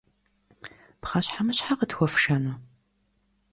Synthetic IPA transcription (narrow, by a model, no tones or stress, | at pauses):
pχaɕħamɨɕħaqətxʷɔfʃɐnɐ